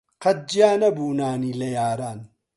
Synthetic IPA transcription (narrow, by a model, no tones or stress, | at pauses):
qɐt̪̚d͡ʒjaːnɐbuːnaːniːlɐjaːɾaːn